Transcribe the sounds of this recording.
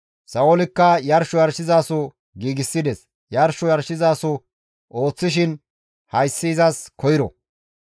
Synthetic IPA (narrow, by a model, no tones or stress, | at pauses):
sɐɔlɪkːɐjɐɾʃɔjɐɾʃɪzaːsʊ | ɡiːɡɪsːɪd̪ɛs | jɐɾʃɔjɐɾʃɪzaːsʊ | o̞ːt͡sːɪʃ̬ɪn | hɐjsːiːzɐskʰɔjɪɾɔ̰